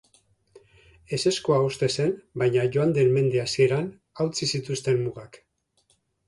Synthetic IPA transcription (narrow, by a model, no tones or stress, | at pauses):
e̞se̞skoaost̪e̞se̞nbajɲaʝo̞and̪e̞nme̞nd̪easie̞ɾan | awt͡sisit̪ust̪e̞mmuɣak